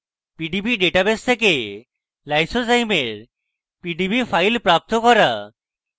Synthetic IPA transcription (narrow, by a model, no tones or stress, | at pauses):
piɖibiɖeʈabest̪ʰek̬e | lajsosajmeɾ | piɖibifʰajlpɾap̚t̪okɔɾa